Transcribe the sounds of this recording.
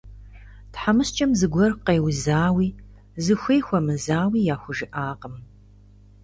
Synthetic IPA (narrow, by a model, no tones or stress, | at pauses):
tħamɨst͡ʃʼɐmzɨɡʷɔrqeːwzaːwiː | zɨxʷeːxʷɐmɨzaːwiːjaːxʷʊʒɪʔaːqəm